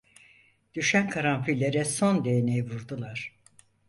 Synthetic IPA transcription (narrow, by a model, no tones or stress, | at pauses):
d̪̥yʃænkʰaɾanfilʲːeɾɛso̞nd̪e̞jnejivuɾd̪ulˠaɾ̥